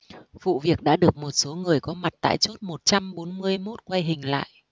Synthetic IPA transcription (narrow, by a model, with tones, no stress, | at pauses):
vṵ˧˨vi˨˩ək̚ɗa̰ː˧˥ɗɨ˨˩ək̚mo˨˩t̚so˨˦ŋɨ˨˩əjkɔ˨˦ma˨˩t̚t̪a̰ː˧˨jt͡ɕo˦˥t̚mo˨˩t̚t͡ɕa˧mɓo˨˦nmɨ˧əjmo˦˥t̚kwa˧jɦï˨˩ŋ̟la̰ː˧˨jʔ